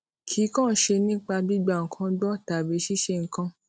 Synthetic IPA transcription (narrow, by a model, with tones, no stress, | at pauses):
kʰi˨˦kɔ̃ː˦˨ʃe˧nĩ˦k͡pa˧bi˦ɡ͡ba˦˨ŋ̩˨kʰã˧dɔ˦˨ta˨be˨˦ʃi˦ʃe˧˨ŋ̩˨kã˧